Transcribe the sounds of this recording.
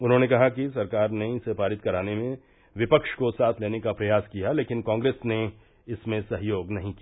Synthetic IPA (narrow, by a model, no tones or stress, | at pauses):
ʊnɦõːnekɐɦakisɐɾkaːɾneɪsepaːɾɪt̪kɐɾaːnemẽ | ʋɪpəkʃkosaːt̪ʰleːnekapɾɐjaːskijaleːkɪnkãːŋɡɾeːsne | ɪsmẽsɐɦjoːɡnɐɦĩki